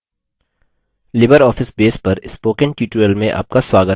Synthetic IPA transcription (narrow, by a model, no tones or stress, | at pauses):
lɪbəɾɔːfɪsbeːspɐɾɪspoːkẽnʈuːʈuəlmẽʔa̰ːp̚kaswaːɡə